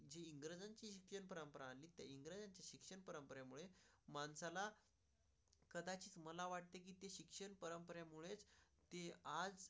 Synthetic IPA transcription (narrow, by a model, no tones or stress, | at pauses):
d͡ʑeiŋɡɾəd͡zaɲt͡ɕiːɕikʂənpəɾəmpəɾaːnlːiːt̪ja̰iŋɡɾəd͡zant͡ɕaɕikʂəɳpəɾəmpəɾjamuɭemansala | kəd̪at͡ɕiːt͡sməlaʋaʈ̚t̪ek̬iːt̪eɕikʂəɳpəɾəmpəɾjamuɭet͡s | t̪ead͡z